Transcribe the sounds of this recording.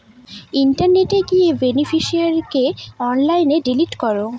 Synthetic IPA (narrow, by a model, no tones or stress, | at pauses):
iɳʈaɾneʈeɡiebenifiʃiaɾkeɔnlajneɖiliʈkɔɾo